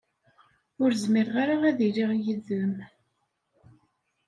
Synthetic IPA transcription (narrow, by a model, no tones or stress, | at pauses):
ʊɾzmiɾʁaɾaʁæðiliʁjəðəm